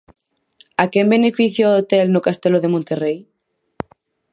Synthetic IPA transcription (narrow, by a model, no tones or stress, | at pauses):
akɛmbenefiθjoot̪elnʊkast̪eloðemõnt̪erej